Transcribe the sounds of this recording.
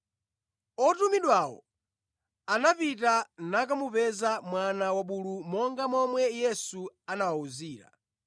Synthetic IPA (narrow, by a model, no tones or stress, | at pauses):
ɔtumiɗwawɔ̰ | anapitanak̬amupɛzamwanawaɓulumɔŋɡamɔmwɛjɛsuanawauziːɾa̰